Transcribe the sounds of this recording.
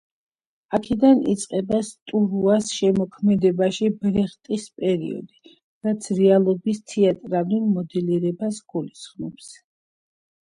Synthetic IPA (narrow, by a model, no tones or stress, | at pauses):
akʰɛd̪anit̪sʼqʼɛbast̪ʼuɾuasʃɛmɔkʰmɛd̪ɛbaʃibɾɛχt̪ʼispʼɛɾḭɔ̰d̪i | ɾat̪sʰɾɛalˠɔbist̪ʰɛat̪ʼɾalulˠmɔd̪ɛliɾɛbasɡ̥ulisχmɔps